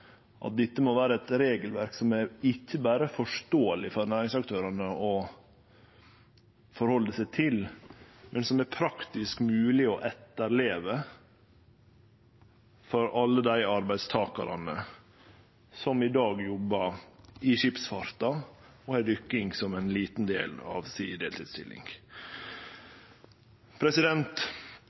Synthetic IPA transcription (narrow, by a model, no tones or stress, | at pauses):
ʔɑ̰t̪̚d̪ɪt̪ːəmɔʋæːɾəɛt̪ɾeːɡəlʋæɾksɔmæɾɪçːəbæːɾəfɔʂt̪oːəlɪfɔɾnæːɾɪŋsɑkt̪ʰøːɾɑnəɔ | fɔɾhɔlːəsæɪt̪ʰɪlmʔɛnsɔmæɾpʰɾɑkt̪ɪskmʉːlɪɔʔɛt̪ːəɾleːʋə | fɔɾɑlːəd̪æɪɑɾbæɪd̪st̪ʰɑːkɑ̰ɾɑ̰nə | sɔmɪd̪ɑːɡjɔbːɑɾɪʃɪpsfɑɾt̪ɑ | ɔhæɖ̪ʏkːɪŋɡsɔmɛnliːt̪n̩d̪ḛːlɑ̰ʋsid̪eːlt̪ʰɪd̪st̪ɪ̰lɪ̰ŋɡ | pʰɾɛsɪd̪ɛnt̪